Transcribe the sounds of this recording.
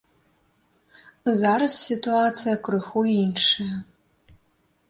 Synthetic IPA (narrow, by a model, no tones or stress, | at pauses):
zaɾɐsːit̪ʼuat͡sɨjakrɨxuinʂɨɐ